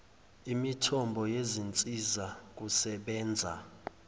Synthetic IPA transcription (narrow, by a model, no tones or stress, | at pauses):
imitʰɔmbʱɔjezint͡sʼizak̬usɛɓɛːnd͡zʱa̰